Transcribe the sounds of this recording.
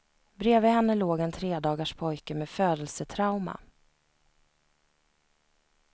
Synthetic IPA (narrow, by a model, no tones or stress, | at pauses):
bɾeːvəɦɛnːəloːɡɛnt̪ʰɾeːd̪ɑːɡaʂpʰɔjkəmeːføːd̪əlsət̪ʰɾaʊma̰